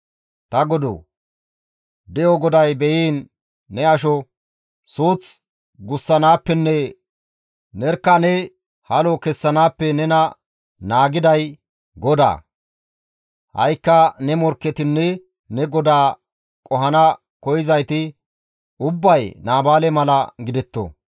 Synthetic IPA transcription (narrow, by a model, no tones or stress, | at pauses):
t̪ɐɡɔd̪o̰ː | d̪ɛjɔɡɔd̪ɐjbɛjiːnː | ɛɐʃ̬ɔ | soːt͡s | ɡʊsːɐnaːpːɛnːɛ | nɛɾkːɐnɛ | hɐlɔkɛsːɐnaːpːɛnɛnɐ | naːɡɪd̪ɐj | ɡɔd̪a̰ː | hɐ̰jkːɐnɛmɔɾkːɛt̪ɪnːɛ | nɛɡɔd̪aː | kʼɔɦɐnɐ | kɔjɪzɐjt̪ɪ | ʊbːɐjnaːbaːlɛmɐlɐɡɪd̪ɛt̪ːɔ̰